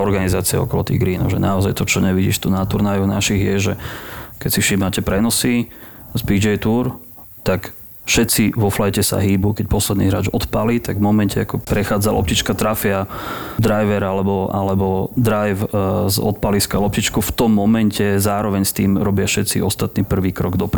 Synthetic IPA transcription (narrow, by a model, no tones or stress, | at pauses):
ɔɾɡanizaːt͡siɛ̰ɔ̰kɔlɔt̪ḭːɡɾiːnɔ̰ʒɛnaɔzajt̪ɔt͡ʃɔɲɛʋiɟḭːʃt̪unat̪uɾnajɔnaʃiɣjɛʒɛkɛcsifʃimacɛpɾɛnɔsizbiːd͡ʒɛjt̪uːɾ | t̪ak | fʃɛt̪t͡siʋɔflajcɛsa̰ɦiːbukɛc̚pɔslɛd̪niːɦɾa̰ːd͡ʒɔt̪palit̪aɡvmɔmɛncɛakɔpɾɛxaːd͡zalʔɔ̰pcit͡ʃkat̪ɾafɪad̪ɾajʋɛɾalɛbɔʔa̰lɛbɔd̪ɾajfzɔ̰t̪̚paliskalɔp̚cit͡ʃkuft̪ɔmːɔmɛncɛzaːɾɔʋɛɲst̪iːmɾɔbɪafʃɛt̪t͡siɔst̪at̪niːpr̩ʋiːkɾɔɡd̪ɔpɾ